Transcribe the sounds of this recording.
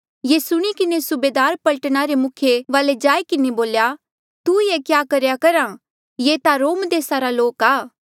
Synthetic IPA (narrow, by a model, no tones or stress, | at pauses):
jesʊɽ̃ikɪnesʊbeːd̪aːɾpɐlʈɽ̃aɾemʊkʰjeʋaːled͡ʒaːikɪneboːlja | t̪ujekjaːkɐɾjakɐɾa | jeːt̪aɾoːmd̪eːsaɾaloːkaː